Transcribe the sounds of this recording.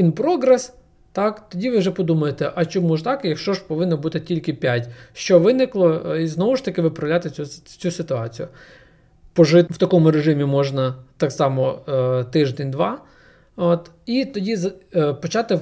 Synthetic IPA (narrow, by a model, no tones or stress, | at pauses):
inpɾɔɡɾɛs | t̪ɑkt̪ɔdʲiʋɪwʒɛpɔd̪umɐjet̪ɛʔɐt͡ʃɔmuʒt̪ɑkjɐkʃt͡ʃɔʒpɔʋɪnːɔbut̪ɪtʲilʲkɪpʲatʲʃt͡ʃɔʋɪnɪklˠɔiznɔʋʊʃt̪ɐkɪʋɪpɾɐwlʲat̪ɪut͡sʲusɪt̪ʊɑt͡sʲijʊ | pɔʒɪwt̪ɐkɔmʊɾeʒɪmʲimɔʒnɐt̪ɑksɑmɔt̪ɪʒd̪enʲd̪ʋɑ | ot̪ | it̪ɔdʲizɐpɔt͡ʃɑt̪ɪ